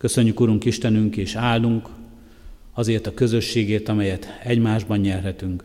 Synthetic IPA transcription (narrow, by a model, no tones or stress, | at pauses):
kø̞sø̞ɲːykuɾuŋkiʃt̪ɛnyŋkeːʃaːlːuŋk | ɒzeːrt̪ɒkø̞zø̞ʃːeːɡeːt̪ɒmɛjɛt̪ɛɟmaːʒbɒɲɲɛrɦɛt̪yŋk